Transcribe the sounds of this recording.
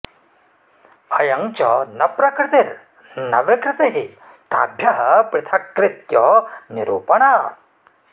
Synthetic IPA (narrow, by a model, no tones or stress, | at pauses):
ɐjɐŋt͡ʃɔnɐpɾɐkɾɪt̪iɾ | nɐʋɪkɾɪt̪eɦi | t̪a̰ːbʱjɐɦɐpɾɪt̪ʰɐkɾɪt̪jɔniɾuːpɐɳaː